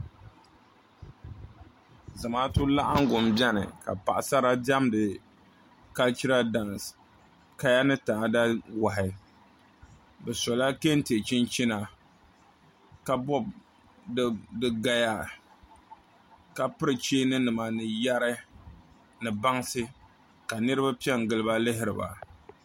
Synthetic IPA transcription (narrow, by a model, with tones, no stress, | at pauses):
za˨ma˦tu˦la˦ʔa˦ŋ˦ɡʊ˨m˨bjɛ˦nɨ̰˨ka̰˨pa̰˨ʔa˨sa˦ɾa˦da˦mdɨ˨ | ka˦lt͡ʃi˦ɾa˦da˨n˨ | ka˦ja˦nɨ˦taː˨da˦wa˨ɦɪ˨ | bɛ˨sɔ˨la˦ke˦n˦te˨t͡ʃɪ˦nt͡ʃi˦na˨ | ka˦bɔ˦b̚ | dɨ˦ɡa˦ja˦ | ka˨pɨ˦ɾɨ˨t͡ʃeː˦nɨ˦nɨ˨ma˨nɨ˨ja˦ɾɨ˦ | nɨ˨ba˦ŋsɨ˦ | ka˨nɨ˦ɾɨ˦ba˦pi˦ɛ˦ŋ˨ɡɨ˨lɨ˦ba˦lɪ˦ɦɪ˦ɾɨ˨ba̰˨